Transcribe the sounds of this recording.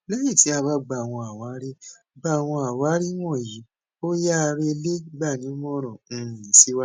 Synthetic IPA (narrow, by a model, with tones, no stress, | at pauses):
lɛ˦jĩ˦˨ti˨˦a˧βa˦ɡ͡ba˨w̃ɔ̃˧a˨wa˨˦ɾi˦ | ɡ͡ba˦˨w̃ɔ̃˧a˨wa˨˦ɾi˦w̃ɔ̃˦˨ji˨˦ | o˦ja˦˧ɾe˦˧le˦ɡ͡ba˦˨nĩ˨˦mɔ̃˦ɾ̃ɔ̃˨ñ̩˦˧˨si˦wa˦